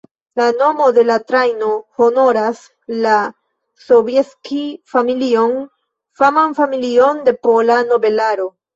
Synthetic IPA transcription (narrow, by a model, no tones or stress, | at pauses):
lano̞mo̞de̞latɾajnoho̞no̞ɾas | la | so̞vjeskifamilio̞n | famanfamilio̞nde̞polano̞be̞laɾo